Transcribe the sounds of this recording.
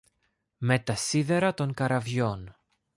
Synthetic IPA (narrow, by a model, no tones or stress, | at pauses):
me̞t̪ɐsiðe̞ɾɐt̪o̞ŋkɐɾɐvʝo̞n